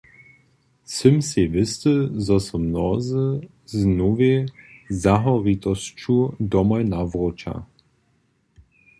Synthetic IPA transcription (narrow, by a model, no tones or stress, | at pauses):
t͡səmsevɪst̪əzɔsɔmnɔzə | znovezaɦɔʁit̪ɔst͡ʃud̪ɔmɔjnavʁot͡ʃa̰